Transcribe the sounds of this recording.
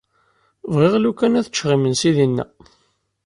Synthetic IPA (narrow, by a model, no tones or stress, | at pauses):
vʁeʁlukːænæθət͡ʃːʁimənsiðinːæ̰